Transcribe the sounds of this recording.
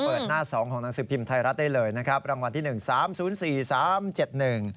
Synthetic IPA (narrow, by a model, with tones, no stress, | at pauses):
pəː˨˩t̪̚naː˥˩sɔː˩˦ŋkʰɔː˩˦ŋna˩˦ŋsɯː˨˩pʰi˧mt̪ʰa˧jɾa˦˥t̪̚da˥˩jlɤː˧jna˦˥kʰɾa˦˥p̚ɾa˧ŋwa˧nt̪iː˥˩nɯ˨˩ŋsaː˨˩˦msuː˩˦nsiː˨˩saː˩˦mt͡ɕe˨˩t̪̚nɯ˨˩ŋ